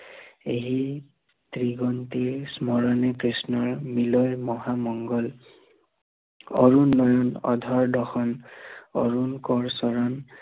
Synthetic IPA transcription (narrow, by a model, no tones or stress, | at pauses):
eɦi | t̪ɹiɡɔnt̪ismɔɹɔnɛkɹisnɔɹmilɔjmɔɦamɔŋɡɔl | ɔ̰ɹunːɔjɔnɔ̰dʱɔɹdɔxɔnɔ̰ɹunkɔɹsɔɹɔn